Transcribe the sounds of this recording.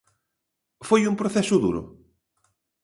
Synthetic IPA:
fojumpɾoθɛsʊðṵɾʊ̰

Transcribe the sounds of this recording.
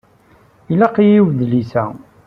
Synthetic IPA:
ilaqijiwðlisæ

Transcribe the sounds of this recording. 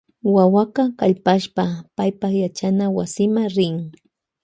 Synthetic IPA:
wawaqɑkaʎpaʃpapajpaχjat͡ʃanawasɪmaŋɾɪŋ

